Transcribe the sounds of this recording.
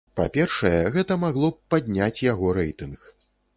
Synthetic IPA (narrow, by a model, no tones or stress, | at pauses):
pa̰pʲɛrʂɐjɛɣɛt̪ɐmaɣlˠɔpad̪ʲnʲat͡sʲjaɣɔɾɛjt̪ɨnx